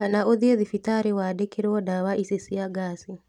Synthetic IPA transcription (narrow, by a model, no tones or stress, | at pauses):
anaʔoðieðifitaɾewadekeɾwɔdawaʔisesiaɡaːsi